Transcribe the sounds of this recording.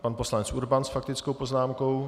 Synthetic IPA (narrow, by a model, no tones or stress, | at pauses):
panposlanɛt͡sʔuɾbansfak̚t̪ɪt͡skowpoznaːmkow